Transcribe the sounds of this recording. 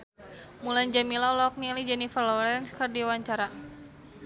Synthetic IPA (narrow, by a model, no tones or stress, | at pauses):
muland͡ʒamilɔlɔk̚nilid͡ʒanifrlɔɾɛnskɨrdiwaɲt͡ʃaɾa